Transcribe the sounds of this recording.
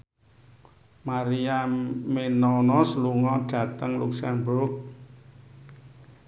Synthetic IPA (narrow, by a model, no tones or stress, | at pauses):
maɾiamenɔnɔsluŋɔɖ̥ä̤t̪əŋluksɛmbʊrk̚